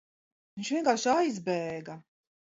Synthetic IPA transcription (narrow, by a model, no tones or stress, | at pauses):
viɲt͡ʃviɛŋkaːɾʃajzbɛːɡa